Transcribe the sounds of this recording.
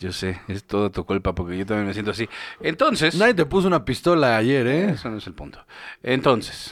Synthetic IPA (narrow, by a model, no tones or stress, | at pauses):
ʝo̞seest̪o̞ðat̪ukulpapo̞ɾkeʝot̪amjenmes̬jent̪oas̬ient̪o̞nsesnajt̪̚t̪epus̬ounapist̪o̞laːʝe̞ɾeesonoeselpunt̪o̥ent̪o̞nse̥s